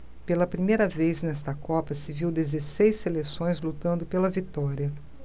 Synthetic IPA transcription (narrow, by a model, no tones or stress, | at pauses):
pelɐpɾimejɾɐvejznɛst̪ɐkɔpɐsɪviwd̪ezesejselesõj̃zlut̪ɐ̃nd̪ʊpelɐvit̪ɔɾiɐ